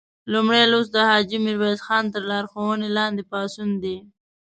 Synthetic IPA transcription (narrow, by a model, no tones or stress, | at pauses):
lumɽelosd̪əhɑd͡ʒimɪɾwezxɑnt̪əɾlɑɾxowənelɑnd̪epɑsund̪e